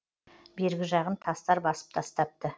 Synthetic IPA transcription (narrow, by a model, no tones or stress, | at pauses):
be̞ɾɡʲɪʒɑʁənt̪ʰɑst̪ɑɾbɑsə̥p̚t̪ʰɑst̪ɑp̚t̪ə